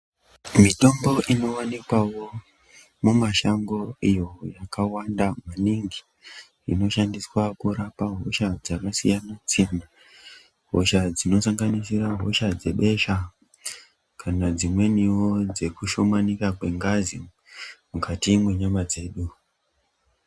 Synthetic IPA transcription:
mito̞mbo̞ʔino̞wanikwawo̞ | mumaʃaŋɡo̞ijo̞jakawandamaniŋɡi | ḭno̞ʃandiswakuɾapaɦoʃad͡zakasḭjanasijana | ɦo̞̰ʃad͡zino̞saŋɡanisiraɦo̞̰ʃad͡ze̞ɓe̞ʃa | kʰanad͡zimwe̞niwo̞d͡ze̞kuʃo̞manikakwe̞ŋɡazi | mukatimweɲamad͡ze̞ːɗu

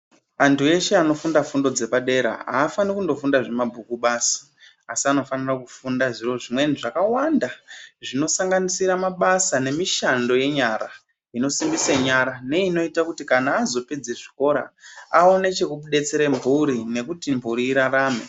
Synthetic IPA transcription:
antue̞ʃe̞ano̞fundafundo̞d͡ze̞paɗe̞ɾa̰a̰ːfanikundo̞fundaʐe̞mabʱukuɓaːsḁː | siano̞fanirakufundaʐiro̞ʐimwe̞niʐakawandaʐino̞saŋɡanisiɾamaɓasane̞miʃando̞je̞ɲaɾa | ino̞simbiseɲaɾane̞ino̞itakutikanaːzo̞pe̞d͡zeʐiko̞ɾa̰ao̞ne̞t͡ʃe̞kuɓuɗe̞t͡seɾembʱuɾine̞kutimbʱuɾiːɾaɾaːmḛ

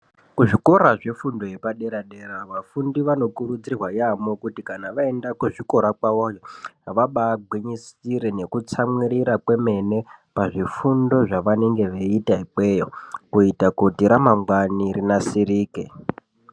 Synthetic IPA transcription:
kuʐiko̞ɾaʐe̞fundo̞je̞paɗeɾaɗeɾaʋafundiʋano̞kurud͡zirwajamo̞kutikanaʋaendakweʐiko̞ɾakwaojoaʋaɓaːɡʱwiɲisiɾene̞kut͡samwiɾiɾakwe̞me̞ne̞paʐifundo̞ʐaʋane̞ŋɡe̞ʋeitaiɓe̞jo̰kuitakutiɾamamɡwanirinasiɾiːkḛ

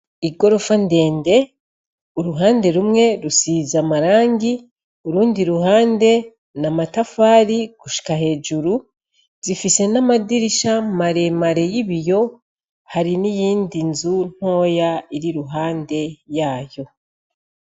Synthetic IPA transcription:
iɡo̞ɾo̞fande̞ːnde̞ | uɾuɦaːnde̞ɾumŋe̞ɾusizamaɾaːŋɡi | uɾuːndiɾuɦaːnde̞ | namatafaːɾiɡ̥uʃi̥kahe̞ːd͡ʒuɾu | zifise̞namadiɾiʃamaɾe̞maɾe̞jiβijo̞ | haɾinijiːndinzun̥ho̞ːjaiɾiɾuɦaːnde̞jaːjo̞

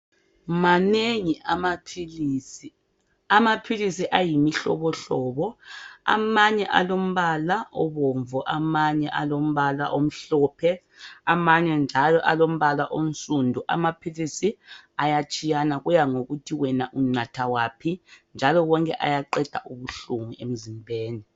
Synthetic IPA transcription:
maneŋiamapʰiliːsi | amapʰilisiʔajimiɬɔ̰βɔɬɔːβɔa̰maɲɛʔa̰lom̩βalaʔɔβɔɱvɔʔamaɲɛʔalom̩βala̰ʔom̩ɬɔpʰɛ | amaɲɛnd͡ʒʱalɔʔalom̩βalaʔonsʼundʱuʔa̰mapʰilisiajat͡ʃʼijanaɣujaŋoɣutʰiwɛnaʔuŋ͡ǀatʰawaːpʰind͡ʒʱalɔwɔŋkʼɛʔa̰jaǃɛd̥ʱa̰ʔuβuɬuŋuʔem̩zimbʱeːni

